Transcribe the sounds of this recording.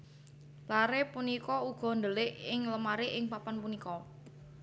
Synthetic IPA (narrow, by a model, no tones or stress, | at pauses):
laɾepunikɔuɡ̥ɔ̤nd̪əlɪʔɪŋləmaɾɪʔɪŋpapanpunikɔ